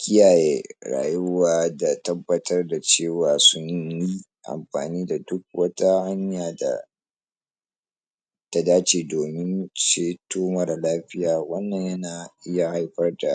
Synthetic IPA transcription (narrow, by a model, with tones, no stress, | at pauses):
kʲʰɪ˦jaː˨jeː˦ɽa̰ː˨jʊ˦waː˦da˨tɐ˦bːɐ˦tʰɐ˦rda˨t͡ʃeː˦˨waː˨sʊ˦ɲji˦ | ʔa̰˨mɸa̰ː˨niː˦da˨dʊ˦k̚wɐ˦ta˦ha˦ɲjaː˨da̰˨ | ta˦daː˦t͡ʃeː˨doː˨mɪ˦nʃeː˦toː˦mɐ˨ɾlaː˦ɸɪ˦jaː˨wɐ˦nːɐ˨ɲjɐ˦naː˨ʔɪ˦ja˨ha˦jɸɐ˦rda˨ʔ